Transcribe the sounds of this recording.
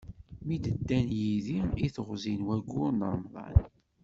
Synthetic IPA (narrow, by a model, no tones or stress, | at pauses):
mid̪əd̪ːænjiðiiθəʁzinwæɡːʊɾnəɾˤmðˤɑ̰n